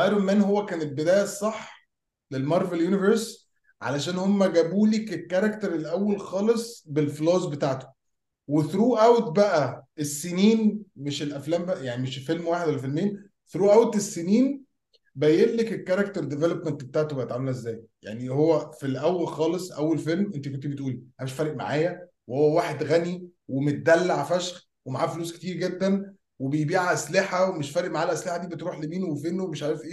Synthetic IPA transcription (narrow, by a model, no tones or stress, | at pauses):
ʔɑjɾomːæːnhowːækæːnel̚bed̪æːjæsˤːɑħː | lelmɑɾˤveljuniveɾs | ʕa̰læʃæːnhomːæɡæbuːliːkekːæɾˤɑkt̪eɾˤelʔæwːælxɑːlesˤbelfloːzbet̪aʕt̪o̥ | weθɾuːʔæwt̪̚bæʔæesːeniːnmeʃelʔæflæːmbæʔjaʕnimeʃfelmwaːħed̪wælæfelmejːæn | θɾuːʔæwt̪esːeniːn | bæjelːekekːæɾˤɑk̚t̪eɾˤd̪evelopment̪bet̪aːʕt̪obejet̪ʕamːælezːæːjja̰ʕnihowːæfilʔæwːælxɑːlesˤʔæwːælfelmʔent̪ikont̪ibet̪ʔuːlihæmeʃfæːɾˤeʔma̰ʕaːjæ | wehowːæwaːħed̪ɣæniwemet̪̚d̪ælːaʕfæʃx | wemaʕaːfluːske̥t̪iːɾɡed̪ːæn | webejbiːʕʔæsleħæwemeʃfæːɾeʔmaʕaːlʔæsleħad̪iːbet̪ɾuːħlemiːnwefenːowemeʃʕaːɾefʔeː